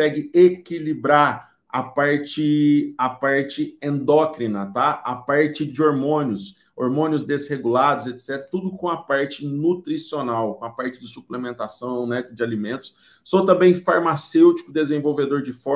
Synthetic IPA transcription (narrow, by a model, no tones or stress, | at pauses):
ɛɡɪekilibɾaɾ | ɐ̰paɾt͡ʃɪɐpaɾt͡ʃɪẽnd̪ɔkɾinɐt̪aɐpaɾt͡ʃɪd͡ʒɪoɾmõnjʊs | oɾmõnjʊzd̪ezheɡulad̪ʊzet̪sɛt̪eɾɐt̪ud̪ʊkõɐpaɾt͡ʃɪnut̪ɾisionawkõɐpaɾt͡ʃɪd͡ʒɪsuplemẽnt̪asɐ̃w̃nɛd͡ʒɪalimẽnt̪ʊ̥s | sõt̪ɐ̃mbẽj̃faɾmasewt͡ʃi̥kʊd̪ezẽvowved̪oɾd͡ʒɪfɔ